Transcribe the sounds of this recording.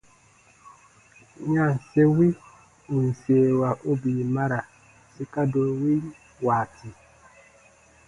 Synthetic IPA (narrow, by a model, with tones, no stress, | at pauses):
ɲã˦˨se˦wi˦ | u˨n̩˨seː˨wa˨ʔo˦bi˨ma˦ɾa˨ | si˦ka˦do˨wi˦ | waː˨ti˨